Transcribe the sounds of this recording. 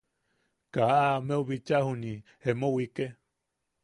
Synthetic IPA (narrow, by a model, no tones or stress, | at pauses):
kaameuβit͡ʃahunihemowike